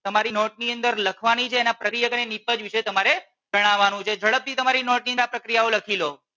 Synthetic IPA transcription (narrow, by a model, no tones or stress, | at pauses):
t̪əmaɾinoʈ̚niənd̪əɾləkʰʋanit͡ʃʰeːnapɾəkɾijəkənenipəd͡ʒʋiʃet̪əmaɾe | d͡ʒəɽ̃aʋanũt͡ʃʰed͡ʒʱəɭəp̚t̪ʰit̪əmaɾinoʈ̚niəapɾəkɾijaoləkʰilo